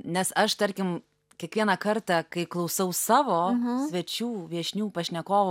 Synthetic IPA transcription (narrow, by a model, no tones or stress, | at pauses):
nʲɛsɐʃt̪ɐɾʲkʲɪm | kʲiɛkʋʲiɛnɐkɐrt̪ɑkɐɪklˠɐʊsɐʊsɑːʋoːsʲʋʲɛt͡ʃʲuːʋʲiɛʃʲnʲuːpɐʃʲnʲɛkoːʋ